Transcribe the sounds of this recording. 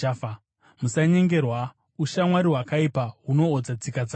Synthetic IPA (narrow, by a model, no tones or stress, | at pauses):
musaɲe̞ŋɡe̞rwa | uʃamwaɾiɦwakaipaɦuno̞ːd͡zat͡sikad͡za